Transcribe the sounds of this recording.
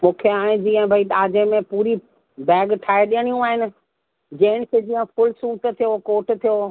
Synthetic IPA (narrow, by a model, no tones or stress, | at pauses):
mũːkʰeãːd͡ʑiːə̃bʱɐiɗaːd͡ʑẽmẽpuːɾi | bɛːɡʈʰaːeɗijəɽ̃ijũaːɦɪnɪ̆ | d͡ʑɐɦɪɽ̃ɪ̆kʰeːd͡ʑiːə̃fʊlsuːt̪t̪ʰijokoːʈt̪ʰijo